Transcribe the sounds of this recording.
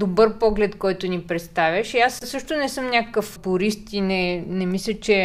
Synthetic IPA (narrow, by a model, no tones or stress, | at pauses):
d̪obɤɾpɔɡlɛt̪kɔjt̪ʊnipɾɛt̪st̪avʲjəʃiassɤʃt̪ʊnɛsɤmnʲakəkəfpuɾist̪inɛnɛmislʲət͡ʃɛ